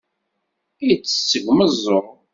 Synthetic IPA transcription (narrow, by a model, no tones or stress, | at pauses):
ijət͡sːə̥sːəʝməzˤːoɾˤ